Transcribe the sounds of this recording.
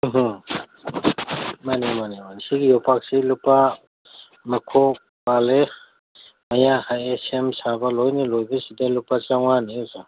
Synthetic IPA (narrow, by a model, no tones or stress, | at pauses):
ɦ | manimanemansiɡijɔpak̚silupa | mɐkʰɔ | bale | mɐjahajesemsabɐlojnilojbɐsidalupat͡ʃaŋaniza